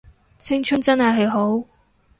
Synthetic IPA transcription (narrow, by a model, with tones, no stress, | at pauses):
t͡sʰɪ˥ŋt͡ʃʰɵ˥nt͡sɐ˥nɦɐ˨jɦɐ˨jɦo˨˥w